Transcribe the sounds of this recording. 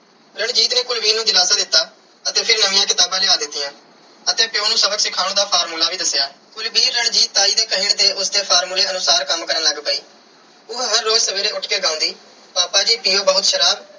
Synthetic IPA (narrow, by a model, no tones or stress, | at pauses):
ɾəɳd͡ʒiːt̪neːkʊlbiːnũːd͡ʒɪlaːsãːd̪ɪt̪ːaː | ət̪eːpʰɪɾnəʋɪ̃jãːkɪt̪aːbãːlɪaːd̪ɪt̪ːɪjãː | ət̪eːpɪjoːnũːsəbəksɪkʰaːɽ̃ːd̪aːpʰaːɾmuːlaːʋiːd̪əsːɪjaːkʊlbiːɾːəɳd͡ʒiːt̪ːaːiːd̪eːkəɦɪɳt̪eːʔʊsd̪eːpʰaːɾmuːleːənʊsaːɾkəmkəɾənləɡpəiː | ʊɦɦəɾːoːd͡ʒsəʋeːɾeːʊʈʰkeːɡãːʊ̃ːnd̪iː | paːpaːd͡ʒiːpiːoːbəʊt̪ʃəɾaːb